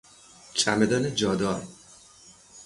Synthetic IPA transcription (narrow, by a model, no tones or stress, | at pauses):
t͡ʃʰæmed̪ɒːned͡ʒɒːd̪ɒːɾ